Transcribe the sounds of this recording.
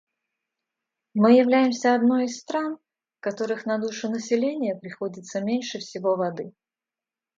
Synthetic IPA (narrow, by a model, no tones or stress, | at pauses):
mɨjɪvlʲæjɪmsʲəɐd̪no̞jɪst̪ɾan | fkɐt̪o̞ɾɨxnɐd̪uʂɨnəsʲɪlʲenʲɪjəpɾʲɪxo̞dʲɪt̪səmʲenʲʂɨfsʲɪvo̞vɐd̪ɨ